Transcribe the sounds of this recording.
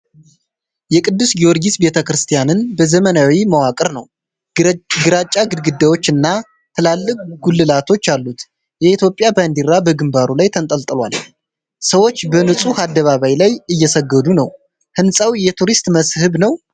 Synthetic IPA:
jɛkʼɨd̪ːusɡiwoɾɡisbe̞t̪ʰəkɾɨst̪ʰijanɨnbəzəmənawiməwakʼɨɾnəw | ɡɨɾat͡ʃʼːaɡɨd̪ɡɨd̪ːawo̞t͡ʃːɨnːa | t̪ʰɨlalːɨkʼɡulːɨlat̪ʰo̞t͡ʃːalːut̪ | jɛit̪ʰjo̞pʼjaband̪iɾabəɡɨmbaɾulajt̪ʰənt̪ʼəlt̪ʼɨlwa̰l | səwot͡ʃːbənɨsʼuhad̪ːəβaβajlajɨjːɛsəɡːəd̪unəw | hɨnsʼawjɛt̪ʰuɾist̪ʼməshɨβnəw

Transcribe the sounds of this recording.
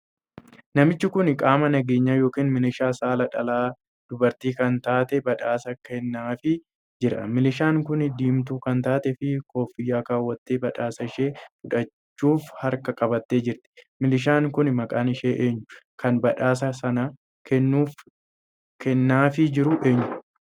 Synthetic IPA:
nɐmɪt͡ʃːɪkʊnkʼaːmɐnɐɡe̞ːɲːɐjo̞ːkiːnmɪlɪʃaːsaːlɐᶑɐlaː | d̪̥ʊbɐɾt̪iːkɐnt̪aːt̪ɛbɐᶑaːsɐkʰɛnːaːfɪ | d͡ʒɪɾɐ̰mɪlɪʃaːŋkʊnɪd̪iːmt̪uːkɐnt̪aːt̪ɛfɪkʰo̞ːfːɪjːaːkaːwːɐt̪ːeːbɐᶑaːsɐɪʃeːfʊᶑɐt͡ʃːuːfhɐɾkɐkʼɐbɐt̪ːeːd͡ʒɪɾt̪ɪ̥mɪlɪʃ̬aːŋkʊnmɐkʼaːnɪʃeːʔeːɲːʊ | kɐnbɐᶑaːs̬ɐsɐnɐ | kʰɛnːuːf | kʰɛnːaːfɪd͡ʒɪɾʊʔe̞ːɲːʊ

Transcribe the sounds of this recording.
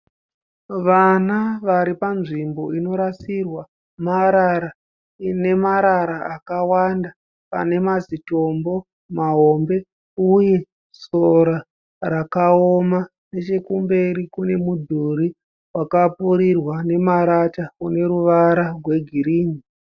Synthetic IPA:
ʋanaʋaɾipanʐimbo̞ino̞ɾasirwa | maɾaɾa | ne̞maɾaɾaakawanda | pa̰ne̞mazito̞mbo̞ | maɦo̞mbe̞ | uje̞ | soɾa | ɾakaoma | ne̞t͡ʃe̞kumbe̞ɾikune̞mudʱuɾi | wakapuɾirwane̞maɾatakune̞ɾuʋaɾarwe̞ɡʱiɾiːŋi

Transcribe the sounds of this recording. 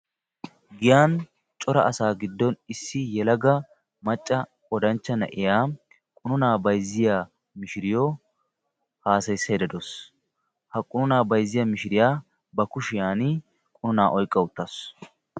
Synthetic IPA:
ɡɪjaːn | t͡ʃʼɔɾɐ̰ʔɐsaːɡɪd̪ːɔnɪsːɪjɛlɐɡɐ | mɐt͡ʃʼːɐkʼɔd̪ɐnt͡ʃːɐnɐ̰ʔɪjaː | kʼʊnʊnaːbɐjzːɪja | mɪʃɪɾɪjo | haːsɐjsːɐjɛd̪ɐd̪ɔs | hɐkʼʊnʊnaːbɐjzːɪjamɪʃɪɾɪjaː | bɐkʊʃɪjaːnɪ | kʼʊnʊnaːʔɔjkʼːɐʊt̪ːɐs

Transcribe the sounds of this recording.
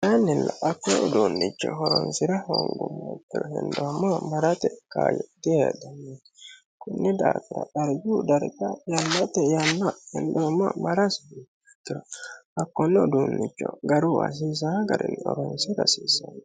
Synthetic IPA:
janːɪlːɐʔɐkːɔʊd̪uːnːɪt͡ʃːɔ̰ɦɔɾɔnsɪɾɐho̰ŋɡʊmːɐt̪ːɪɾɔhɛ̰nd̪omːɐmɐɾɐt̪ɛka̰ːjɔd̪ɪed̪ɐnːe | kʊnːɛd̪aːt̪ɪɾɐ̰ɗɐɾd͡ʒud̪ɐɾɡɐjɐnːɐt̪ɛjɐnːɐhɛnd̪omːɐmɐɾɐs | ɛ̥t̪ːɪɾɔɐkːɔnːɛd̪uːnːɪt͡ʃːɔɡɐɾʊwa̰s̬iːs̬aɡɐɾɪnːɔɾɔnsɪɾɐsiːsɐn

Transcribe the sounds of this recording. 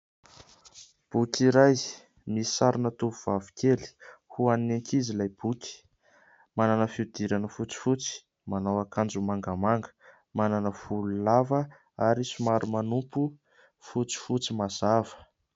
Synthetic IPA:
b̥ukʲiɾaj | misaɾinət̪uvuv̥avi̥keli̥huanineŋkizilajb̥ukʲi̥ | mananəfiud̪̥iɾanəfut͡si̥fut͡si̥ | manawakand͡ʒumaŋɡəmaŋɡə̥ | mananəv̥ululavə | aɾisumaɾumanumpu | fut͡si̥fut͡simaz̥avə̥

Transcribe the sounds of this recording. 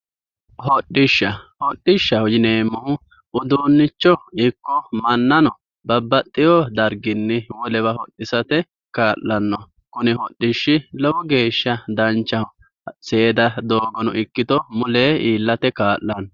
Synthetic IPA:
hɔɗːɪʃːɐhɔɗːɪʃːɐhɔd͡ʒɪneːmːɔhʊ | ʔʊd̪unːɪt͡ʃːɔɪkːɔmɐnːɐnɔ | bɐbːɐt̪ʼːɪjɔd̪ɐɾɡɪnːɪwɔlɛbɐhɔɗːɪsɐt̪ɛ | kaːʔːɐnːɔ | kʊnɪhɔɗːɪʃːɪlɔwɔɡe̞ːʃːɐd̪ɐnt͡ʃːɐhʊ | seːd̪ɐd̪oːɡɔnɔ̰ʔɪkːɪt̪ɔmʊleːiːlːɐt̪ɛkaːʔːɐnɔ

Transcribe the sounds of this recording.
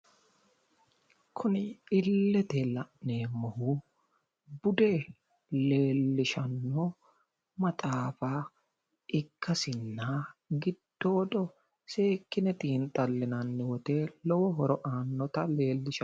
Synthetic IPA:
kʰʊnɪɪlːɛt̪ɛlɐʔneːmːɔhu | bʊd̪e | le̞ːlːɪʃɐnːo | mɐt̪ʼaːfaː | ʔɪkːɐsɪnːaːɡɪd̪̥ːoːdɔ | seːkːɪnɛt̪iːnt̪ʼɐlːɪnɐnːɪwɔt̪e̞ːlɔwɔɦɔɾɔʔaːnːɔt̪ɐle̞ːlːɪʃɐ

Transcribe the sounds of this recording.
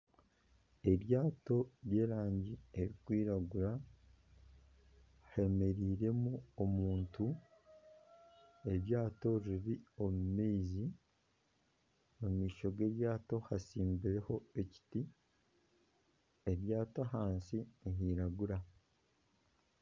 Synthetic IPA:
e̞ɾjaːto̞ɾje̞ːɾaːɲɟie̞ɾikwiːɾaɡuɾa | he̞me̞ɾiːɾe̞muomuːntu | e̞ɾjaːto̞ɾiɾio̞mumeːzi | omiːʃo̞ɡe̞ɾjaːto̞hasiːmbiɾe̞ho̞e̞ci̥ti | e̞ɾjaːtoɦaːnsiniɦiːɾaɡuɾa

